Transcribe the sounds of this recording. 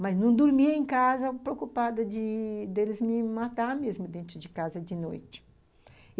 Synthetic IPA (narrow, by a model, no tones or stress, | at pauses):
mɐznũd̪uɾmiɐẽŋkazɐpɾeokupad̪ɐd̪ɪd̪elɪzmɪmat̪aɾmezmʊd̪ẽnt̪ɾʊd͡ʒɪkazɐd͡ʒɪnojt͡ʃ̪ɪ̥